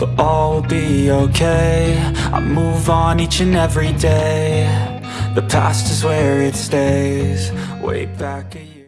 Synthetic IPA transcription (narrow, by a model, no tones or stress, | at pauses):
ɔlˠbioʊkʰeɪa̰ɪmuvn̩it͡ʃɨ̃nɛvɹideɪ | ðɨpʰæ̰stɨzwə˞ɪtsteɪz̥wḛɪb̥ækɨj